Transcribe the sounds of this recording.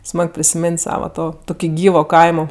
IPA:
ˈsmɐk pʲrʲɪsʲɪmʲeːnʲtʲ ˈsɑːʋɐ ˈtoː ˈtoːkʲɪ ˈɡʲiːʋoː ˈkɐɪmoː

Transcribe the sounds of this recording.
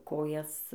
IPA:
ˈkoːjɛs

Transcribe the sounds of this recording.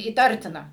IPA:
iːˈtɐrʲtʲɪnɐ

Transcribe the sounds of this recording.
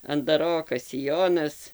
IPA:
ɐndɐˈroːkɐs sʲɪˈjoːnɐs

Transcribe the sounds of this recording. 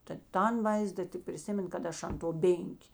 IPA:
tɐ ˈtɐn ˈʋɐɪzdɐ tʲɪk pʲrʲɪˈsʲɪmʲɛn kɐt ˈɐʃ ɐn toː ˈbʲeːŋʲkʲeː

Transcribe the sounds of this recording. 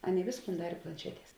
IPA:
ˈɑːˌnʲeːɪ ˈʋʲeːsˌkuːn ˈdɑːrʲeː plˠɐnʲˈʃʲæːˌtʲiɛs

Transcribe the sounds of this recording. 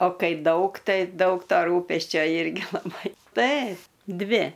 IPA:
oː ˈkɐɪ ˈdɐʊk ˈtɐɪ ˈdɐʊk ˈtoː ˈruːpʲɛsʲt͡ʃʲoː ˈɪrʲɡʲɪ lˠɐˈbɐɪ ˈtɐɪ ˈdʲʋʲɪ

